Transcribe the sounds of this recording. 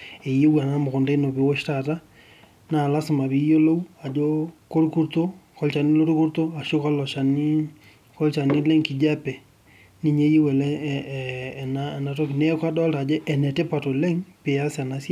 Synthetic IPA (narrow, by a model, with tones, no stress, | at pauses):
e˨je˦wa˨na˦mo˨ɣo˨nda˦i˦no˨be˨˦wo˦ʃta˦˨ta˦ | na˨la˦si˨ma˨βi˦jo˦lo˦u˦a˨d͡ʒo˦ko˦ɾku˦ɾto˦kɔ˦lt͡ʃa˨ni˦lo˦ɾu˦ku˦ɾto˦a˨ʃo˦ka˦lɔ˨ʃa˨ni˦ | kɔ˦lt͡ʃa˨ni˦le˦ŋki˨d͡ʒa˦pɛ˨ | ni˨ɲe˦je˦wɛ˨lɛ˦˨ | na˦˨na˨to˦ki˨ne˦kwa˦dɔ˦lta˨d͡ʒɛ˦ʔɛ˨nɛ˨te˦pa˨to˨le˦ŋpe˨a˦sja˨na˦sja˦